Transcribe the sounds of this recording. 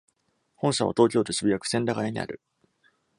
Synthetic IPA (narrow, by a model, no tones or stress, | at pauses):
hõɰ̃ɕaβa̰t̪o̞ːk̬ʲo̞ːt̪o̞ɕibʲijakɯ̥sẽ̞ndaɡaeɲ̟ḭʔa̰ɾɯ̟